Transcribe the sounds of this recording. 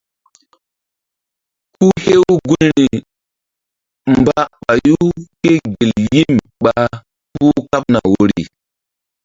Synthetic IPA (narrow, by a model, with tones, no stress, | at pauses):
ku˦he˦wu˦ɡu˦nni˨ | mba˦ɓa˨ju˦ke˦ɡi˨lji˦m | ɓa˨ | pu˦ka˦p̚na̰˨wo˦ɾḭ˨